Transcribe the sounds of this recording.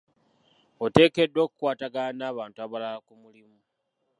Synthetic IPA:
ote̞ːke̞dːwo̞ːkukwaːtaɡanaːβaːntuaβalalakumulimu

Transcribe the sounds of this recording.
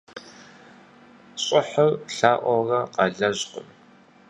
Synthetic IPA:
ɕʼɪħɐrɬaːʔʷɔrɐqɑɮɐʑqʷʊ̰n

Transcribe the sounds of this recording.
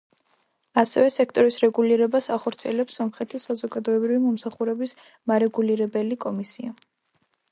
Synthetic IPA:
asɛvɛsɛk̚ʰt̪ʼɔɾisɾɛɡuliɾɛbasaχɔɾt̪sʰiɛlɛpsːɔmχɛt̪ʰisazɔɡad̪ɔɛbɾivimɔmsaχuɾɛbis | maɾɛɡuliɾɛbɛlikʼɔmisia

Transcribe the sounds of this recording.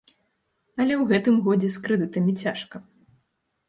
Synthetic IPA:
ɐlʲɛwɣɛt̪ɨmɣɔd͡zʲɛskɾɨd̪ɨt̪ɐmʲit͡sʲaʂkɐ

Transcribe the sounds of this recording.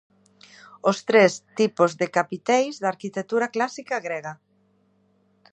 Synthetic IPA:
ost̪ɾest̪ipozðekapit̪ɛjzðaɾkit̪et̪uɾaklasikaɣɾeɣa

